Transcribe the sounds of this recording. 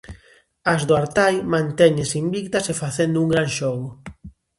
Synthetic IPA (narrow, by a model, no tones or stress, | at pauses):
azðoaɾt̪ajmãnt̪ɛɲesimbik̚t̪ɐsefaθend̪ʊuŋɡɾaŋʃɔɣʊ